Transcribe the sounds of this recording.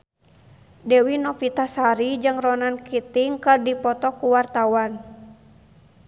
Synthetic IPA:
dɛwinɔfit̪asaɾid͡ʒɨŋrɔnankit̪iŋkɨrdipɔt̪ɔkuwart̪awan

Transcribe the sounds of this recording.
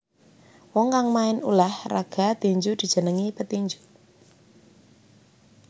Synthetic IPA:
wɔŋkaŋmaɪnulahra̰ɡ̥a̤t̪iɲd͡ʒud̪̥i̤d̥ʒ̥ə̤nəŋipət̪iɲd͡ʒu̥

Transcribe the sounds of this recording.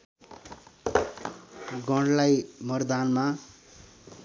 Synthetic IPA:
ɡʌɽlajmʌrd̪anma

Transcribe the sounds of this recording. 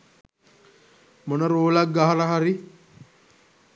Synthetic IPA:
monəɾoːlakːaɦaɾəɦaɾi

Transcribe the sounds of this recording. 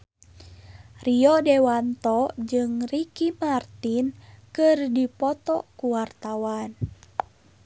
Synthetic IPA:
riɔdɛwant̪ɔd͡ʒɨŋrikimart̪inkɨrdipɔt̪ɔkuwart̪awan

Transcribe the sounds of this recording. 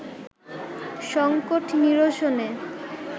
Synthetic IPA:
ʃɔŋkoʈniɾoʃone

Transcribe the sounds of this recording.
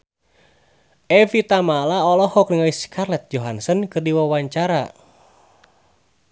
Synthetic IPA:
ʔɛvit̪amalaɔlɔhɔk̚niŋaiskʰarlɛt̪̚d͡ʒɔɦansənkɨrdiwawaɲt͡ʃaɾa

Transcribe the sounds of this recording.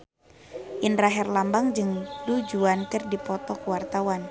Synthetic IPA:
ʔinraɦɛrlambaŋd͡ʒɨŋdud͡ʒuankɨrdipɔt̪ɔkuwart̪awan

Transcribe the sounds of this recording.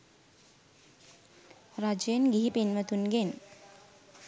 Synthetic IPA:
rad͡ʒenɡiɦipinʋət̪unɡen

